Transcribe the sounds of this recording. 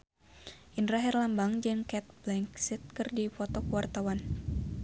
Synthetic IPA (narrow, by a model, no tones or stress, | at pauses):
ʔindɾaɦɛrlambaŋd͡ʒɛŋkɛt̪̚blɛŋksit̪̚kɨrdifɔt̪ɔkuwart̪awan